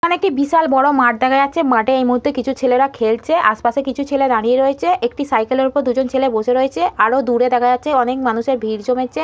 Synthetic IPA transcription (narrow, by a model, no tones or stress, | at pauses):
anek̚ʈibiʃalbɔɽomaʈ̚d̪ɛkʰajaːɕʰemaʈeejmuɦut̪ːekit͡ɕʰut͡ɕʰeleɾakʰelt͡ɕʰeʔa̰ʃpaʃekit͡ɕʰut͡ɕʰeled̪aɽ̃ieɾoet͡ɕʰeʔek̚ʈisajkeleɾupoɾd̪ud͡ʑont͡ɕʰeleboʃeɾoet͡ɕʰeaɾod̪uɽed̪ɛkʰaat͡ɕʰeɔnekmanuʃeɾbʱiɾd͡ʑomee